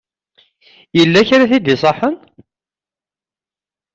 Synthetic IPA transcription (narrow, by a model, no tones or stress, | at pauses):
jəlːæçɾæθid̪isˤɑħən